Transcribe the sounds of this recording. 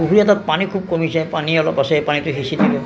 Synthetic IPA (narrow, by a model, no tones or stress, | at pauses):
uɦuɹiatɔt̚panikʰub̚komisɛpaniɔlɔpasɛpanitʊɦisidibɛ